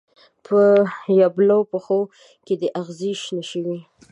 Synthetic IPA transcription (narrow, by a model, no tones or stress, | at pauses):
pʰəjablopəxo | ked̪əʔaɣziʃnaʃəwi